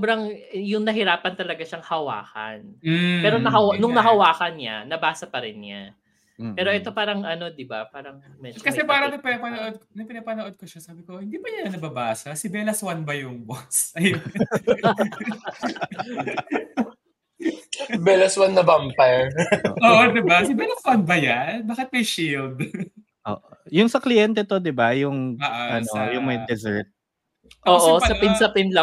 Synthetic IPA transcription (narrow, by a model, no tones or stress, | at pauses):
sobɾɐŋjʊŋnɐɦɪɾaːpɐnt̪ɐlɐɡaʃɐŋhɐwa̰ːkɐ̰n̩pɛːɾonɐhɐwnʊŋnɐɦɐwaːkɐnɲa̰nɐbaːsɐpɐɾɪnɲa | pɛːɾo̞ʔɛt̪o̞paːɾɐŋʔɐno̞d̪ɪbapaːɾɐŋ | mɛkɐsɛpaːɾɐnɐpɪnɐpɐnoʔod̪̚knɐpɪnɐpɐnoʔod̪̚koʃasaːbɪkohɪnd̪iːbɐɲɐɐnɐbɐbaːsɐsɪbɛlɐswanbɐjʊŋbosɐj | bɛlɐswanːɐbampɐɹo̰ːʔoːʔod̪ɪbasɪbɛlɐswanbɐjanbaːkɪt̪̚mɐjʃild̪ | ʔo̰ːʔojʊnsɐklɪjɛnt̪̬ɛt̪o̞d̪ɪbajʊŋaʔaʔɐnojʊŋmɐjd̪ɛzɛɹt̪̚ | ʔoːʔoɪpɐɐpɪnsɐpɪnlɐ